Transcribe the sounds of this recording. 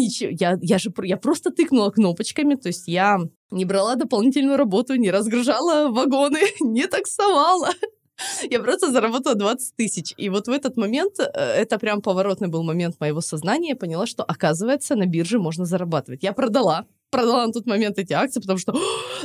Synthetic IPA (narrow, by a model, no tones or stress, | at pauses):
nʲɪt͡ɕɪjajaʐɨpjapɾo̞st̪ət̪ɨknʊlˠəkno̞pət͡ɕkəmʲɪt̪o̞ɪsʲtʲja | nʲɪbɾɐlˠad̪əpɐlˠnʲitʲɪlʲnʊjʊɾɐbo̞t̪ʊnʲɪɾəzɡɾɨʐalˠəvɐɡo̞nɨnʲɪt̪əksɐvalˠə | japɾost̪əzəɾɐbot̪əlˠəd̪vat̪sɨ̥t̚ʲt̪ɨsʲɪt͡ɕivo̞t̪vɛt̪ət̪mɐmʲe̞nt̪ɛt̪əpɾʲampəvɐɾo̞t̪nɨjbɨlˠmɐmʲe̞nt̪məjɪvo̞sɐznanʲɪjəpənʲɪlˠaʂt̪o̞ʔɐkazɨvəjɪt̪sənɐbʲirʐɨmo̞ʐnəzəɾɐbat̪ɨvətʲjapɾəd̪ɐlˠa | pɾəd̪ɐlˠanɐt̪o̞t̪mɐmʲe̞nt̪ɛtʲɪak̚t̪sɨpət̪ɐmuʂt̪o